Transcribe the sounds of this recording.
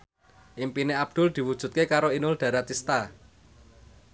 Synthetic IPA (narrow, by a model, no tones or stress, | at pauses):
ʔimpineab̥̚d̪̥ʊ̤ld̪̥i̤wud̥ʒ̥ṳt̪̚kekaɾoinʊld̪̥ä̤ɾat̪ist̪a